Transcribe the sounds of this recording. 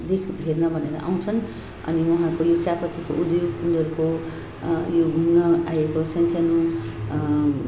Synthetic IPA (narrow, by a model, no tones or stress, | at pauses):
d̪ekʰɦernʌbʱʌneɾa̰ʔaw̃t͡sʰʌn | ʌ̰niwʌɦãkojot͡sapʌt̪iko̰ʔud̪joɡpund̪ʌɾko | joɡʱumnʌajekosʌnsʰanu